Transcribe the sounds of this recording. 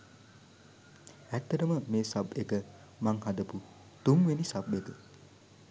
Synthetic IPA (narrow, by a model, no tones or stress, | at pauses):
æt̪ːɐʈɐməmeːsabeɡə | maŋhad̪ɐpu | t̪uŋʋenisabeɡə